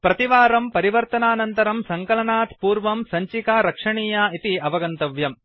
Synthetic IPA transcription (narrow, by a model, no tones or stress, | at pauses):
pɾɐt̪iʋaːɾɐmpɐɾiʋɐɾt̪ɐnaːnɐnt̪ɐɾɐmsɐŋkɐlɐnaːt̪puːɾʋɐmsɐɲt͡ʃikaːɾɐkʂɐɳiːjaːit̪iɐʋɐɡɐnt̪ɐʋjɐm